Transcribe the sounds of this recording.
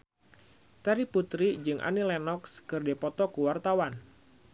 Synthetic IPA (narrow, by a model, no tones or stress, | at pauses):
k̪aɾiput̪ɾid͡ʒɨŋʔa̰nilɛnɔkskɨrdepɔt̪ɔkuwart̪awan